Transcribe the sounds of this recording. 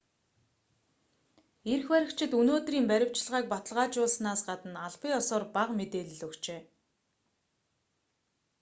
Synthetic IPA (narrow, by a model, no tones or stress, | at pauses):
erxwæɾʲɪ̆kt͡ɕʰɪ̆t̪unoːt̪riːmpæɾʲɪ̆w̥t͡ɕɪ̆ɮʁaːk̚pɔt̪ə̆ɮʁaːt͡ɕʊːɮsnaːsɢat̪ə̆naɮpĭŋɔsɔːrpaqmet̪eːɮɘ̆ɮɵkt͡ɕeː